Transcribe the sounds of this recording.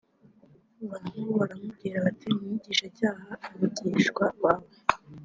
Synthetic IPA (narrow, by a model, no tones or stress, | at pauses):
uβanuβaɾamub̚ɡiːɾaatimiɟiːʃacaːhaiɾuɟiːʃɡwaβwaːβo